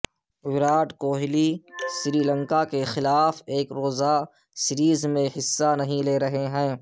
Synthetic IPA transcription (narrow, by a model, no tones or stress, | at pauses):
wɪɾaːʈkoːɦɪlisɪɾiːlə̃ŋkakexɪlaːfeːkɾoːza | sɪɾiːzmẽɦɪsːanɐɦĩleːɾɐɦeɦɛ̃ː